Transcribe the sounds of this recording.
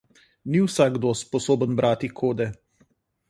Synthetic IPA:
niwsaɡɡd̪ospɔsoːbənbɾʔaːt̪ikʰoːd̪ɛ

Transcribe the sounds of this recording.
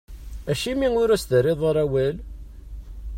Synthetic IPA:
æʃimiŋʊɾæsd̪əɾɪðˤəɾˤæwæl

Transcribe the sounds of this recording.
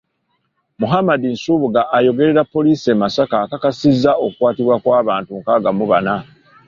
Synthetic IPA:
muɦamadinsuβuɡaʔːjo̞ɡe̞ɾe̞ɾapːo̞liːsemasakakakasizːao̞kukwaːtiβwakwaːβaːntuŋkaːɡamuβana

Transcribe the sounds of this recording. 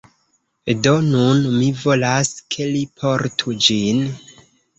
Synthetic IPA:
do̞nunmivo̞laskʰe̞lipʰo̞ɾtʰud͡ʒin

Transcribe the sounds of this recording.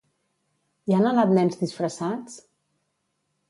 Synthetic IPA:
ianənat̪nɛmzðisfɾəsat͡s

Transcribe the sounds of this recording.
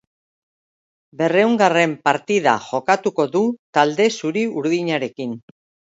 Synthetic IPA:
be̞re̞uŋɡare̞mpaɾt̪iða̰ʝo̞kat̪uko̞ðut̪ald̪e̞suɾiuɾðiɲaɾe̞kin

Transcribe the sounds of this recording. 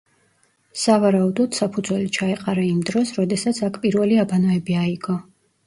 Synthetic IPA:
savaɾaud̪ɔd̪̥sapʰud̪zwɛlit͡ʃʰaɛqʼaɾaimd̪ɾɔsɾɔd̪ɛsat̪sʰakʰpʼiɾvɛliabanɔɛbiaiɡɔ

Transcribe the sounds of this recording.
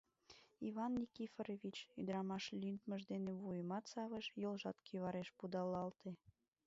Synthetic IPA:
iβɑnːʲikifɾeβit͡ɕyd̪əɾɑmɑʃlʲynt̪məʒd̪eneβujəmɑt̪sɑβəʃjolʒɑt̪kʰiβɑɾeʃpud̪ɑlɑlt̪e

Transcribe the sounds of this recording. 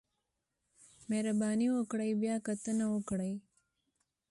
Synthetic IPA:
meɾɐbaːniwokɽɐjbjaːkɐt̪ɐnɐokɽɐj

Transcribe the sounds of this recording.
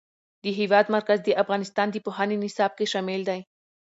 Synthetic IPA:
d̪iɦiːʋaːd̪mɐɾkɐzd̪iʔɐfɣaːnɪst̪aːnd̪ipoɦaːninisaːb̚keʃaːmeːld̪aːĩ

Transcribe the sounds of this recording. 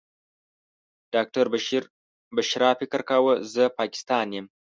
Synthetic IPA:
ɖ̥aːk̚ʈɐɾbɐʃiɾ | bɐʃɾafikəɾkawəzəpaːki̥st̪ɑːnjem

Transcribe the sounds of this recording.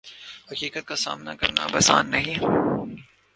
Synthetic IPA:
hɐkiːkət̪̚kasa̰ːmnakɐɾna̰bɐsa̰ːnːɐɦĩ

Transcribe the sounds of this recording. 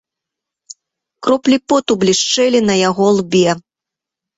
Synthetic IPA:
kɾɔplʲipɔt̪ublʲiʂt͡ʂɛlʲinɐjaɣɔlˠbʲɛ

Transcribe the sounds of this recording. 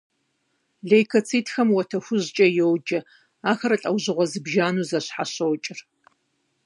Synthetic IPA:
ɮejkʰɐt͡sʰiːtxɐmwɐtʰɐxʷʊʑt͡ʃʼɐjowd͡ʒɐ | aːxɐɾɐɬʼɐwʑɨʁʷɔzɨbʒaːnuːzɐɕħaɕɐwt͡ʃʼɪr

